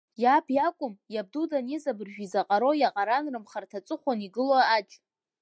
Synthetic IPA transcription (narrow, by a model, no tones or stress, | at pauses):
japʰjakʷʼʊmjab̚dudanezabɨrʒᶣizaqʼaɾo̞jaqʼaɾanrɨmχartʰat͡sʷʼɨχʷaniɡɨloat͡ʃʼ